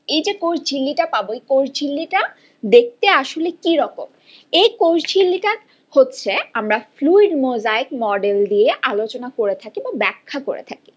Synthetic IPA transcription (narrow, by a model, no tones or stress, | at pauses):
ejd͡ʑekoɾd͡ʑʰʱilːiʈapaboejkoɾd͡ʑʰilːiʈa | d̪ek̚t̪eaʃolekiɾɔkom | ejkoɾd͡ʑʰilːiʈa | hotːɕʰeamɾafluiɖmozaikmɔɖeld̪ieʔalot͡ɕonakoɾet̪ʰakibabɛkʰːakoɾḛt̪ʰaki̥